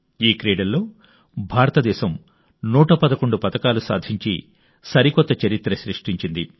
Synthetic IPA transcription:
iːkɾeːɖɐllːo̞ː | bʱaːɾɐt̪ɐd̪ɛːʃɐm | nuːʈɐpɐd̪ɐko̞ɳɖupɐt̪ɐkaːlusa̰ːd̪ʱiɲt͡ʃḭ | sɐɾikɔt̪ːɐt͡ʃɐɾit̪ɾɐʃɾiʂʈiɲt͡ʃind̪i

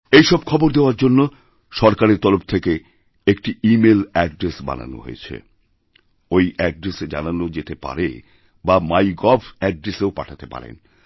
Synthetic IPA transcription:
ejʃɔb̚kʰɔboɾd̪eoaɾd͡ʑonːo | ʃɔɾkaɾeɾt̪ɔloft̪ʰeke | ek̚ʈiimelɛɖɾesba̰na̰no̰ɦo̰jet͡ɕʰḛ | ojɛɖɾesed͡ʑa̰nanod͡ʑet̪epa̰ɾḛ | bamajɡɔbɛɖɾeseopaʈʰat̪epa̰ɾḛn

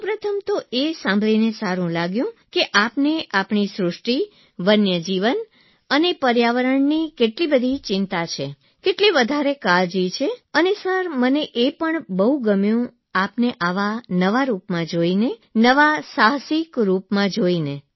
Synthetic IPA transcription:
sũpɾət̪ʰəmt̪oʔesãmbʱlinesaɾũlaɡjũkeʔapneʔapɳisɾʊʂʈi | ʋənjəd͡ʒiʋən | ənepəɾjaʋəɾəɳnikeʈlibəd̪ʱit͡ʃɪ̃nt̪at͡ʃʰe | keʈliʋəd̪ʱaɾekald͡ʒit͡ʃʰeənesəɾməneʔepəɳbəɦuɡəmjũ | apneʔaʋanəʋaɾupmãd͡ʒoinenəʋasaɦsikɾupmãd͡ʒoine

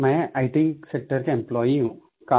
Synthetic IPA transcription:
mɛ̃ːaɪʈĩŋksek̚ʈəɾkeɪ̃mplɔːiɦũː | kaː

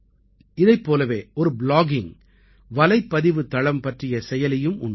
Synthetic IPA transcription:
ɪðɐɪpːoːlɐʋeːʔɔɾɯblaːɡɪŋ | ʋɐlɐɪpːɐðɪʋɯt̪ːɐɭɐmpɐʈrɪjɐsɛjɐlɐjɯmʊ̰ɳ

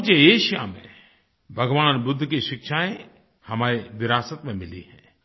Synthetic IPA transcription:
t͡ʃeeːʃja̰mḛ̃ | bʱɐɡʋaːnbʊd̪ʱːkiʃɪkʃaːẽ | hɐmaːɾeʋɪɾaːsət̪mẽmɪlḭhɛ̃ː

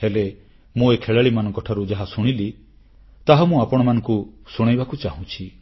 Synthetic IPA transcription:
hele | mũekʰeɭaɭimanɔ̃ŋkɔʈʰaɾud͡ʒaɦasuɽ̃ili | t̪aɦamũapɔɽ̃ɔmanɔ̃ŋkusuɽ̃ajbakut͡ʃaɦũt͡ʃʰi

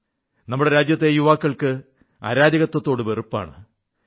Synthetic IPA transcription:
nɐmːuɽe̞ɾaːd͡ʑjɐt̪ːe̞juʋaːkːɐɭkɨ | a̰ɾaːd̪jɐɣɐt̪ːwɐt̪ːo̞ːɽɨʋerupːa̰ːɳɨ

